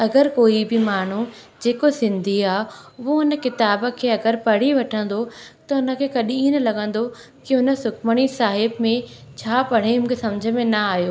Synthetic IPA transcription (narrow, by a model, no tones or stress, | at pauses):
ɐɡəɾkoːibɪmaːɳ̤ud͡ʑeːkosɪ̃nd̪ʱiaːɦɦoɦʊnə̆kɪt̪aːbə̆kʰeːɐɡəɾpɐɽ̤iʋɐʈʰə̃nd̪ot̪ɐɦʊnə̆kʰeːkɐɗĩĩːnəlɐɡə̃nd̪o | kiʊnə̆sʊkʰməɽ̃isaːɦɪbmẽ | t͡ɕʰaːpɐɽ̤eɦʊn̆kʰesɐ̃md͡ʑʱə̆mẽnɐaːijoː